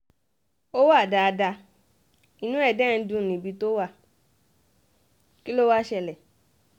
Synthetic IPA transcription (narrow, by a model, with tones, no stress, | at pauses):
o˦wa˦˨da˧da˧ | i˨nũ˦ɛ˦˨dɛ̃˦n̩˦dũ˧˦˨nĩ˨bi˧to˦wa˦˨ | ki˦lo˦wa˦ʃɛ˧˨lɛ˨